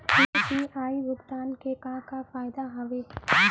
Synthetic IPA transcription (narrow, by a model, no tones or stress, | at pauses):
ipiaːiʋʊkt̪aːnkekãːkafaːjɪd̪aɦɐʋeː